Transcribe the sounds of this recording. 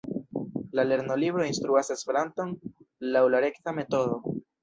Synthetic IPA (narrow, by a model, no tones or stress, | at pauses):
lale̞ɾno̞libɾo̞inst̪ɾuase̞spe̞ɾanto̞nlawlaɾe̞ktame̞to̞do̞